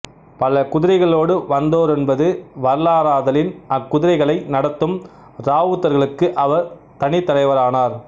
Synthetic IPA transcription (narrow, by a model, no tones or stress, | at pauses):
pɐlɐkʊðɪɾɐɪɣɐɭoːɽɯʋɐnd̪oːɾɛnbɐðɯʋɐɾlaːɾaːðɐlɪnɐkːʊðɪɾɐɪɣɐɭɐɪnɐɽɐt̪ːɯm | ɾaːʋɯt̪ːɐɾɣɐɭɯkːɯʔɐʋɐɾ | t̪ɐɳɪt̪ːɐlɐɪʋɐɾaːnaːɾ